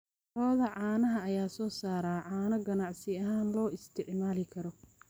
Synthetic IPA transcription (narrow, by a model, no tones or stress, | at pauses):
rɔːðɐʕɑːnɐɦɐɐjaːsɔːsaːɾaːʕɑːnɐɡɐnɑʕsɪɐɦaːnlɔːɪst̪ʰɪʕmaːlɪkʰɐɾɔ